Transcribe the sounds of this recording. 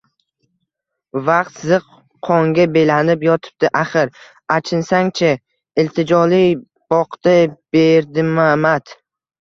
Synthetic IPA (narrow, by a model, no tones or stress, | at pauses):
vɑq̚t̪zɨqʰː | ɒŋɡʲabelanɪpjɒt̪ʰɪ̥b̚d̪ɪʔaχɪɾ | at͡ʃʰɪnsaŋt͡ʃʰa | ɪlt̪ʰɪd͡ʒɒlij | b̥ɒqt̪ab̥eɾd̪ɪmamat̪